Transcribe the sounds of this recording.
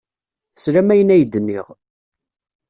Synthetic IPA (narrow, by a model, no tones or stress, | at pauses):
θə̥sɾæmæjənæjəd̪ːənːiʁ